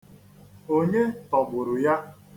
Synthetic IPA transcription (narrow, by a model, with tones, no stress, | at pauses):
o˦ɲe˦tɔ˨bʊ˨ɾʊ˨ja˦